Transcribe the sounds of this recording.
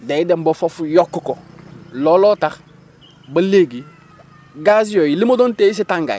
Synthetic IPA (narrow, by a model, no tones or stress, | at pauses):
deidembofofjokːkololotax | bɐleɡi | ɡazijojilimodonteis̬itaŋɡa̰j